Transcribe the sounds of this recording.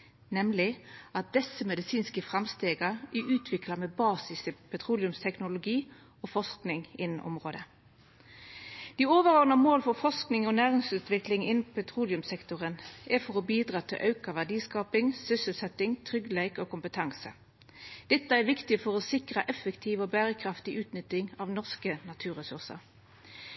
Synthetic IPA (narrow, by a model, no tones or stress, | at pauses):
nɛmlɪɑt̪̚d̪̥ɛsəmɛd̪ɪsiːnskəfʁɑmst̪eːɡɑɛʔʉːt̪ʰʋɪklɑmɛbɑːsɪsəpʰɛt̪ʰʁuːlɪʉmst̪ʰɛknʊlʊɡiː | oːfɔʂknɪŋɪnn̩ʔɔ̰mʁoːd̪ə | d̪̥iːoːʋəʁoːɡnɑmoːlfɔfɔʂknɪŋɔnæːʁɪŋsʉːt̪ʋɪklɪŋɪnn̩pʰɛt̪ʰʁuːlɪʉmsɛkt̪ʊʁənɛʁfɔʁɔbiːd̪ʁɑːt̪ʰɪ̰lʔɑʉkɑʋæʁɖiːskɑːpɪŋsʏsəlsɛt̪ːɪŋt̪ʰʁʏɡleɪkoːkʊmpət̪ʰɑŋsə̰ | d̪̥ɛt̪ːəæʁʋɪkt̪ɪəfɔʁɔsɪkʁəʔɛfəkt̪ʰiːʋoːbæːʁəkʰʁɑft̪ɪʔʉːt̪nʏt̪ɪŋɑːʋnɔʁskənɑt̪ʰʉːʁəsʉʁsə̰ʁ